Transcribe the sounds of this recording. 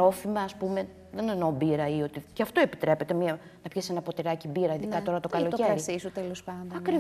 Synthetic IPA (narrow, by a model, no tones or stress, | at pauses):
o̞fimɐːspume̞ | ðeneno̞biɾɐio̞t̪iceɐft̪o̞e̞pi̥t̪ɾe̞pet̪e̞miɐ | nɐpçese̞nɐpo̞t̪iɾɐcibiɾɐiðikɐt̪o̞ɾɐt̪o̞kɐlo̞t̪oceɐɾisisut̪elospɐnd̪ɐkɾi